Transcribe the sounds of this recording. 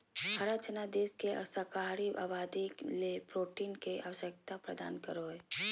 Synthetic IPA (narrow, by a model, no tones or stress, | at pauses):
həɾat͡ʃnad̪eːskḛsəkaːɾia̰ːbaːd̪ilepɾoːʈiːnkeʔa̰ʋəʃjək̚t̪apɾəd̪a̰ːnkəɾoe